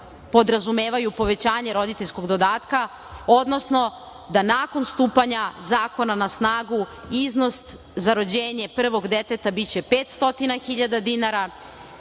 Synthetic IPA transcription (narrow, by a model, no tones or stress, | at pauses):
po̞d̪ɾazume̞ːʋajupo̞ʋe̞t͡ɕaːɲe̞ɾo̞d̪it̪eʎʲsko̞ɡd̪o̞d̪aːt̪ka | o̞d̪no̞sno̞ | d̪anaːko̞nst̪uːpaɲazaːko̞nanasnaːɡuizno̞st̪ | zaɾo̞d͡ʑeːɲe̞pr̩ʋo̞ɡd̪et̪e̞t̪abit͡ɕe̞pe̞ːt̪st̪o̞t̪inaxiʎad̪ad̪inaɾa